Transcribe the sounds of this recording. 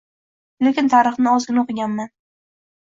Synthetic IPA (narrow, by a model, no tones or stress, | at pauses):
le̞kʲɪnt̪ʰaɾɨχnɪɒzɡʲɪnaqɨɡʲanman